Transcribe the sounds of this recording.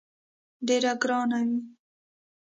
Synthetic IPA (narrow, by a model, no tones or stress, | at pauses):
ɖeɾaɡɾɑnawi